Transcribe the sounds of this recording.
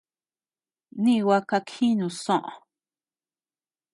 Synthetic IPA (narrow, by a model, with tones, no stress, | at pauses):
nĩ˦˧wa˦ka˧kʰĩ˦nũ˨sõ˦ʔõ̰˨